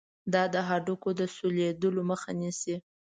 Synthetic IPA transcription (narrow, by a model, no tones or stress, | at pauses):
d̪ɑd̪əɦɑɖukod̪əsuled̪əloməxa̰nisi